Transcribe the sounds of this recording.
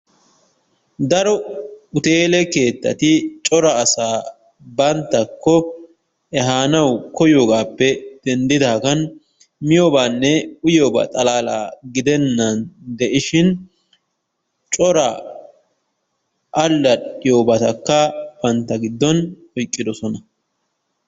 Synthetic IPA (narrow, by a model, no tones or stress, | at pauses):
d̪ɐɾɔʊt̪e̞ːlɛke̞ːt̪ːɐ̰t̪ɪt͡ʃʼɔɾɐːsaː | bɐnt̪ːɐkːɔ | ɛɦaːnɐwkɔjoːɡaːpːɛd̪̥ɛnd̪ɪd̪aːkɐn | mɪjoːbaːnːɛʊjoːba̰t̪ʼɐlaːla̰ːɡɪd̪ɛnːɐnd̪ɛʔɪʃɪn | t͡ʃʼɔɾɐ | ʔɐlːɐɗɪjoːbɐt̪ɐkːɐb̥ɐnt̪ːɐɡɪd̪ːɔn | ɔjkʼːɪd̪ɔsɔnɐ